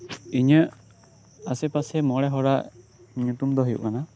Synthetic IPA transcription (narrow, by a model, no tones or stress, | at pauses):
iɲəʔ | asɛpasɛmɔɽɛɦɔɾaʔ | ɲut̪umd̪ɔɦujṵʔkana